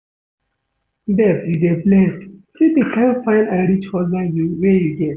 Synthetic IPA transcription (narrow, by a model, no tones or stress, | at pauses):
dɛpjudeblɛstsidekãfãɪ̃naɪɾit͡ʃhɔzajuwɛjuɡɛt